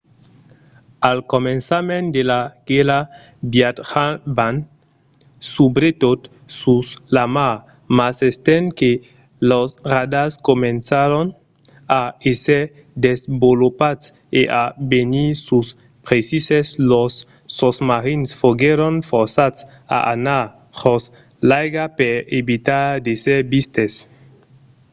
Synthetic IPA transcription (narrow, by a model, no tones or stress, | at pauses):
alkomensamẽnd̪elaɡ̥ela | bjat̪haban | subɾet̪ot̪ | suslamaɾ | masest̪enke | losrad̪askomensaɾon | aeseɾ | d̪ezbolopat̪s | eʔabenisus | pɾesiseslosː | osmaɾinsfoɡeɾonfoɾsats | a̰ʔa̰naɾ | hos | lajɡapeɾeβit̪aɾd̪eseɾbist̪es